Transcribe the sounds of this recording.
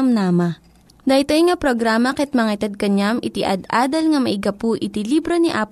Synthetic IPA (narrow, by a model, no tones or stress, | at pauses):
mnaːmɐ | d̪ɐɪt̪ojŋapɾoɡɾaːmɐkɛt̪̚mɐŋaɪt̪ɐd̪̚kɐɲamʔɪt̪ɪʔɐ̰d̪aːd̪ɐlŋɐmɐʔɪɡɐpuʔɪt̪ilibɾoniʔaːp